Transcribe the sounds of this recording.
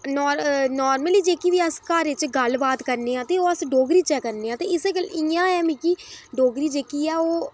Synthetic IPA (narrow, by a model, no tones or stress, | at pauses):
nɔːɾnɔːɾməliːd͡ʒeːkiːʋiːəskaːɾɪt͡ʃɡəlbaːt̪kəɾneːãːt̪eːoːəsɖoːɡɾiːt͡ʃɛːkːəɾneːãːt̪eːɪseːkəlɪ̃ãːɛːmĩːkiːɖoːɡɾiːd͡ʒeːkiːɛːoː